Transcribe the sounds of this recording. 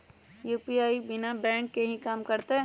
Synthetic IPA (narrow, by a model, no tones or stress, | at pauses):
juːpiaːibɪnabɛ̃ːŋkːeɦĩkaːmkɐɾt̪eɛ